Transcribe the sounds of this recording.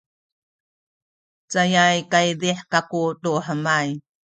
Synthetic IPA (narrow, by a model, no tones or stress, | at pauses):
t͡sajajkajdiħkakutuħəmaj